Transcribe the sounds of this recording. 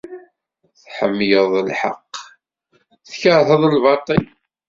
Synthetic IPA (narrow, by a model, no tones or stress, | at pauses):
θħəmːjəðˤəlħa̰qː | θçəɾˤθəðˤəlvɑt̪ˤːil